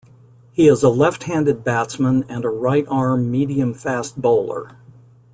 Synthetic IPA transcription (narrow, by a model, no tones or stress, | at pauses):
hiɪzəlɛft̚hæ̃ndɨd̚bætsmə̃nɨ̃nəɹaɪɾʔɑɹmːiɾiɨ̃ɱfæst̚b̥oʊlˠə̰˞